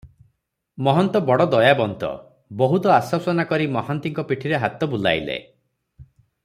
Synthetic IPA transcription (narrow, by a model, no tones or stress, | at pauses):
mɔɦɔnt̪ɔbɔɽɔd̪ɔjabɔnt̪ɔ̰ | bɔɦut̪ɔasɔsɔnakɔɾimɔɦant̪iŋkɔpiʈʰiɾeɦat̪ɔbula̰jlḛ